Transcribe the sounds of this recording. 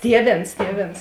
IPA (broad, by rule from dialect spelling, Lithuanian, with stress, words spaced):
ˈtʲiɛˌʋʲeːns ˈtʲiɛˌʋʲeːns